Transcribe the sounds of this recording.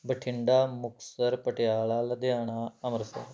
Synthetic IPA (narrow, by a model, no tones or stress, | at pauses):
bəʈʰɪɳɖamuksəɾpəʈjaːɭalad̪eaɽ̃aəməɾsa̰